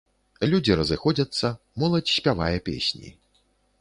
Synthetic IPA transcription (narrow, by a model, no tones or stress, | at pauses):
lʲud͡zʲiɾɐzɨxɔd͡zʲɐt̪sːɐ | mɔlˠɐt͡sʲsʲpʲavajɛpʲḛsʲnʲḭ